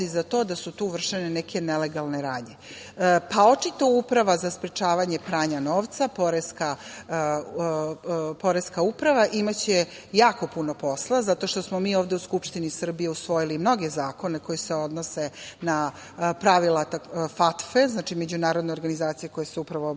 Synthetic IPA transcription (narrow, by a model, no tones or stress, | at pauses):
izat̪o̞ːd̪asut̪uːʋr̩ʃenenekʰe̞neleɡalˠneɾad̪ɲe̞ | paot͡ʃit̪oupɾaʋazaspɾet͡ʂaːʋaɲe̞pɾaːɲano̞ːʋt̪sapoɾeska | po̞ɾeskaupɾaʋaʔimat͡ɕe | jaːko̞puno̞po̞slˠazat̪o̞ʃt̪o̞smomiːoːvd̪e̞uskupʂt̪inisr̩bijeusʋo̞jilimno̞ɡe̞zaːko̞neko̞jeseo̞d̪nose̞na | pɾaʋilat̪afat̪feznaːt͡ʃime̞d͡ʑunaːɾod̪neoɾɡanizaːt̪sije̞ko̞jeseupɾaʋo̞